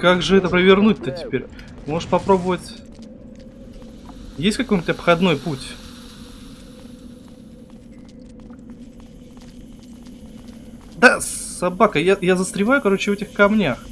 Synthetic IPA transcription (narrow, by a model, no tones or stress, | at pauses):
kaɡʐɨɛt̪əpɾəvʲɪrnut̚ʲt̪ətʲɪ̥pʲeɾʲ | mo̞ʐɨʂpɐpɾo̞bəvətʲ | jesʲtʲkɐkojnʲɪtʲɐpxɐd̪no̞jputʲ | d̪asɐbakəjajazəst̪ɾʲɪvajʊkɐɾo̞t͡ɕɪvɛtʲɪxkɐmnʲax